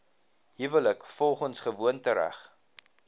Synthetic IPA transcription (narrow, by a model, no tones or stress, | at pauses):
ɦivələkfɔlˠχənsχəvuəntəɾæ̰χ